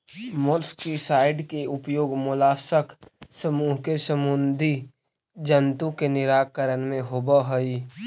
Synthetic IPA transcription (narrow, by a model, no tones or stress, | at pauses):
mʊlskisaːɪɖkeʊpjoːɡmʊlaːsəksəmuːɦkesəmʊnd̪ʱi | d͡ʒənt̪ũkenɪɾaːkəɾənmẽɦoːbaɦoi